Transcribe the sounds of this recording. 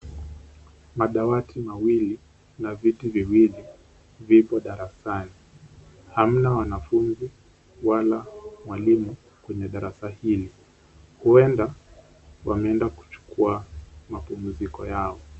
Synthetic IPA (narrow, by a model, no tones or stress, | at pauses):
maɗawatʰimawili | navitiviwili | vipɔɗaɾasani | ham̩nawanafunzi | walamwalimu | kwɛɲɛɗaɾasahili | huɛnda | wamɛɛndaku̥t͡ʃu̥kuamapum̩zikɔjaɔ